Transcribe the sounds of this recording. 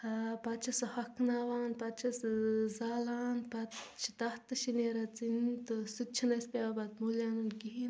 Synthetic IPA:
hapɐt͡ʃʰɐsɐhɐkʰnaːʋaːnpɐt͡ʃʰɐszaːlaːnpɐt͡ʃʰit̪ɐht̪ɨʃineɾɐt͡sint̪ɨsut͡ʃʰinɐspʲaːbɐt̪molʲaːnunkiɦin

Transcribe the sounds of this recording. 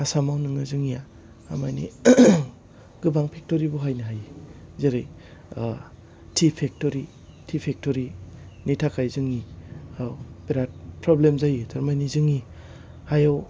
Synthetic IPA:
asamawnɯŋɯzɯŋijaː | majnḭ | ɡɯbaŋpʰek̚tɔɾibɔɦajnɯɦaj | zeɾaj | tʰipʰek̚tɔɾi | tʰipʰek̚tɔɾinitʰakʰajzɯŋiawpeɾat̚pɾɔblemzajitaɾmajnizɯŋi | hajaw

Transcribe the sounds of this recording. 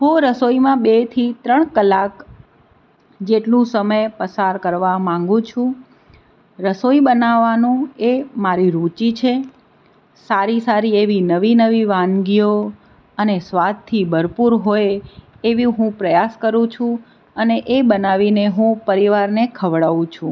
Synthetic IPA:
ɦũɾəsoimãbet̪ʰit̪ɾəɳkəlak | d͡ʒeʈlũsəməjpəsaɾkəɾʋamãŋ̆ɡũt͡ʃʰũ | ɾəsoibənaʋːanũemaɾiɾut͡ʃit͡ʃʰe | saɾisaɾieʋinəʋinəʋiʋãnɡijo | ənesʋat̪ʰːibʱəɾpuɾɦoje | eʋiɦũpɾəjaskəɾũt͡ʃʰũ | əneʔebənaʋineɦũpəɾiʋaɾnekʰəʋɽaʋũt͡ʃʰũ

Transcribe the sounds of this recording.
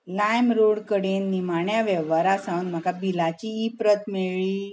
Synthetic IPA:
lajmɾoɽkəɽenːimaɳjaʋɛʋaɾasãwnm̤akabilat͡ɕiːpɾət̪meɭiː

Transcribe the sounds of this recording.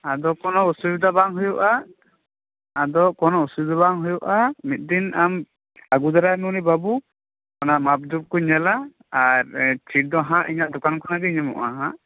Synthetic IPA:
ad̪ɔkɔnɔusubd̪abaŋɦujuʔa | d̪ɔkɔnɔusud͡ʒd̪abaŋɦujɔʔamit̪̚ˀd̪inam | aɡud̪aɾanunibabu | kɔnamab̚d͡ʒup̚kɔɲɛla | aɾt͡ʃʰiʈ̚d̪ɔɦãʔiɲaʔd̪ɔkankɔnaɡɛiɲɛmɔ̰ʔa̰ɦãʔ

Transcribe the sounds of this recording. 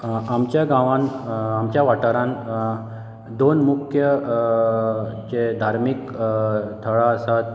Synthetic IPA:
amt͡ɕjaɡãʋãnamt͡ɕjaʋaʈaɾãn | d̪onmukʰjə | t͡ɕed̪ʱaɾmik | t̪ʰəɭaəsat̪̚

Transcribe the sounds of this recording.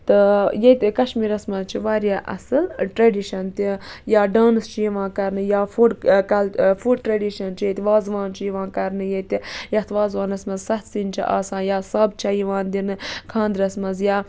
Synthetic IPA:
t̪ɨjet̪ʲkɐʃmiːɾɐsmɐzt͡ʃʰiʋaːɾʲjaːʔɐ̰sɨlʈɾɐɖiʃɐnt̪ijaːɖaːnɨst͡ʃʰijiʋãːkɐɾnɨjaːfuɖkɐlfuɖʈɾɐɖiʃɐnt͡ʃʰijet̪ʲʋaːzʋãːnt͡ʃʰijiʋãːkɐɾnɨjet̪ijɐt̪ʰʋaːzʋaːnɐsmɐzsɐt̪sint͡ʃʰḭʔa̰ːsãːnjaːsɐːbt͡ʃʰɐjiʋãːnd̪inɨkʰãːnd̪ɾɐsmɐzjaː

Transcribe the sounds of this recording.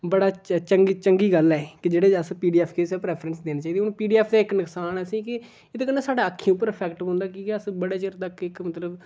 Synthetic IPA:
bəɽaːt͡ʃəŋɡiːt͡ʃəŋɡiːɡəlɛːkɪd͡ʒeːɽeːd͡ʒəspiːɖiːɛːpʰkeːsɛːpɾɛːpʰɾənsd̪eːnaːt͡ʃaːiːd̪iːʊnpiːɖiːɛːpʰd̪aːɪknɪksaːnɛːsĩːkɪ | ɪt̪eːkəneːsaːɖaːəkʰːĩʊp̬ːəɾəpʰɛːkʈɪbɦõːnd̪aːkiːkɛəsbəɽeːt͡ʃəɾt̪əkːɪkmət̪ləb

